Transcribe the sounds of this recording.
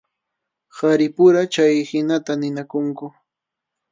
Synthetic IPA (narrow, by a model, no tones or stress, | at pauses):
haɾɪpʊɾat͡ʃajhɪnat̪anɪnakʊŋkʊ